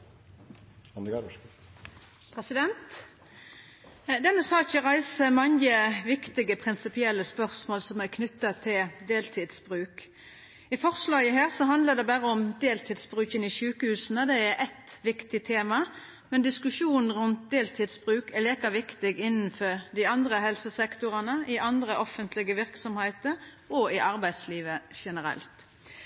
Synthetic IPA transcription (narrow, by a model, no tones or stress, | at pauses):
ɑnd̪əɡɑ | pʰʁɛsɪd̪ɛnt̪ | d̪ɛnːəsɑːçəʁæɪsəmɑŋjəʋɪkt̪ɪɡəpʰʁɪnsɪpɪɛlːəspœʁsmoːlsɔmækʰnʏt̪ːɑt̪ʰɪld̪eːlt̪ʰiːd̪sb̥ʁʉːk | ɪfɔʁslɑːɡəɦæːʁsɔɦɑnd̪ləd̪ɛbæʁəɔmd̪eːlt̪ʰiːd̪sbʁʉːçənɪʃʉːkəhʉːsnəd̪ɛæɾʔɛt̪ʋɪkt̪ɪt̪ʰeːmɑ | mɛnd̪ɪskʉʂuːnn̩ɾʉnt̪̚d̪eːlt̪ʰiːd̪sb̥ʁʉːkɛliːkəʋɪkt̪ɪɡɪnːnfɔɾd̪ɪɑnd̪ɾəhɛlsəsɛkt̪ʊʁɑnəɪʔɑnd̪ɾəʔɔfənt̪ʰlɪɡəʋɪɾksɔmhæɪt̪əɾ | ɔɪʔɑɾbæɪd̪sliːʋəʃɛnəɾɛ̰lt̪